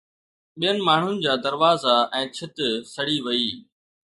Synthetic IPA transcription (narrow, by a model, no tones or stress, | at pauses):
ɓijənɪ̆maːɳ̤ʊnɪ̆d͡ʑaːd̪ɐɾʋaːzaɛ̃ːt͡ɕʰɪt̪sɐɽiʋɐiː